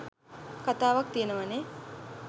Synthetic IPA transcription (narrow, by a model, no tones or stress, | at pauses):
kat̪aːʋak̚t̪ijenəʋane